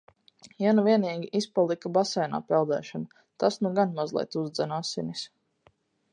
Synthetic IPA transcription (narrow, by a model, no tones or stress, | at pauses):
januviɛniːɡʲiʔispalˠikabasɛjna̰ːpɛlˠd̪ɛ̰ːʃɔna | t̪asnuɡanmazlˠɛ̰jt̪uzd̪zɛnasinis